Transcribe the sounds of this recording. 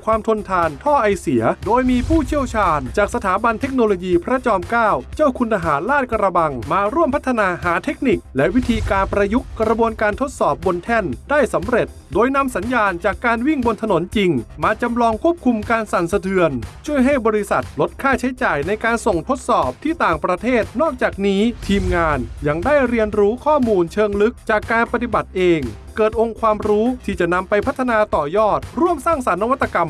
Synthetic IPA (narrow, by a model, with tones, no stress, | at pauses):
kʰwaː˧mt̪ʰo˧nt̪ʰaː˧nt̪ʰɔː˥˩ʔa˧jsi˩˦ɐdoː˧jmiː˧pʰuː˥˩t͡ɕʰi˥˩əwt͡ɕʰaː˧nt͡ɕaː˨˩k̚sa˧t̪ʰaː˩˦ba˧nt̪ʰe˦˥k̚no˧loː˧jiː˧pʰɾa˦˥t͡ɕɔː˧mkaː˥˩wt͡ɕa˥˩wkʰu˧nt̪a˧ɦaː˩˦nlaː˥˩t̪̚kɾa˧ba˧ŋmaː˧ɾu˥˩əmpʰt̪ʰːa˧naː˧ɦaː˩˦t̪ʰe˦˥k̚ni˨˩k̚lɛ˦˥wi˦˥t̪ʰiː˧kaː˧npɾa˧ju˦˥k̚ːɾa˧bu˧ənkaː˧nt̪ʰo˦˥t̪̚sɔː˨˩p̚bo˧nt̪ʰɛ˥˩ndaː˥˩jsa˩˦mɾe˨˩t̪̚doː˧jna˧msa˩˦njaː˧nt͡ɕaː˨˩kːaː˧nwi˥˩ŋbo˧nt̪ʰa˧no˩˦nt͡ɕi˧ŋmaː˧t͡ɕa˧mlɔː˧ŋkʰu˥˩əp̚kʰu˧mkaː˧nsa˨˩˦nsa˧t̪ʰɯ˧ənt͡ɕʰu˥˩əjɦa˥˩jbɔː˧ɾi˦˥sa˨˩t̪̚lo˦˥t̪̚kʰaː˥˩t͡ɕʰa˦˥jt͡ɕaː˨˩jna˧jkaː˧nso˨˩ŋt̪ʰo˦˥t̪̚sɔː˨˩p̚t̪ʰiː˥˩t̪aː˨˩ŋpɾa˧t̪ʰeː˥˩t̪̚nɔː˥˩k̚t͡ɕaː˨˩k̚niː˦˥t̪ʰiː˧mŋaː˧nja˧ŋdaː˥˩jɾi˧ənɾuː˦˥kʰɔː˥˩muː˧nt͡ɕʰɤː˧ŋlɯ˦˥k̚t͡ɕaː˨˩kːaː˧npa˧t̪i˨˩ba˨˩t̪̚ʔeː˧ŋ | kɤː˨˩t̪̚ʔo˧ŋkʰwaː˧mɾuː˦˥t̪ʰiː˥˩t͡ɕa˨˩ʔna˧mpa˧jpʰa˦˥t̪ʰːa˧naː˧t̪ɔː˨˩jɔː˥˩t̪̚ɾu˥˩əmsaː˥˩ŋsa˩˦nːa˧wa˦˥t̪ːa˧ka˧m